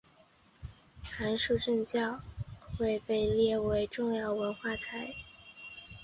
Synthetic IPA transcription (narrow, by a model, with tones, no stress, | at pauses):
xa˧˥nʂu˥˧ʈ͡ʂə˥˧ŋt͡ɕjɑ˥˩ʊxwe˥˧ɪpe˥˧ɪljɛ˥˩we˧˥ɪʈ͡ʂʊ˥˧ŋjɑ˥˩ʊwə˧˥nxwa˥˩t͡sʰa˧˥ɪ